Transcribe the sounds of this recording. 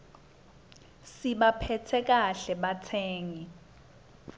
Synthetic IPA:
siɓapʰɛtʰɛk̬aɬɛɓatʰɛːŋi

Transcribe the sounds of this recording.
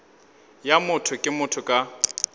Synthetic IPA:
jamʊtʰʊkʼɪmʊtʰʊkʼa

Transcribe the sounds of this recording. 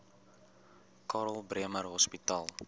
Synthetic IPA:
kɑːɾəlˠbriəmərɦɔspitɑːlˠ

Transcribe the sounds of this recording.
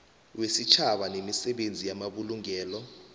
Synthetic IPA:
wesit͡ʃʰaɓanemisɛɓend͡zʱijamaɓuluŋɛːlɔ

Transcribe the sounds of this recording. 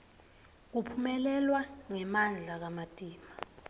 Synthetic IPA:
k̬upʰumɛlɛlwaŋɛmand͡ɮʱak̬amatʼiːma

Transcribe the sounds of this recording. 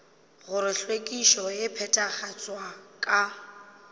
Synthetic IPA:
ɣʊɾɪɬwekʼiʃɔjɪpʰɛtʼaχat͡sʼwakʼa

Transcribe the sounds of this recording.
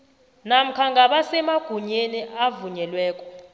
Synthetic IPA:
nam̩kʰaŋɡʱaɓasɛmaɡ̥ʱuɲeniavuɲɛlwɛːkʼɔ̥

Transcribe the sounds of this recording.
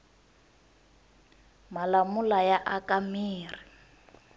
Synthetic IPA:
malamulajaʔakamiːri

